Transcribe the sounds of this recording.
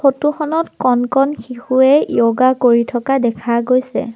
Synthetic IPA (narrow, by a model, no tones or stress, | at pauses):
xotuxɔnɔtkɔnkɔnxixuɛijoɡakoɹitʰɔkadɛkʰaɡojsɛ̰